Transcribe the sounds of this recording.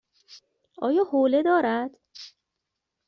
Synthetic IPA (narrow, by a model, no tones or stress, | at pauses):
ʔɒ̰ːjɒːhoːle̞d̪ɒːɾæd̪̥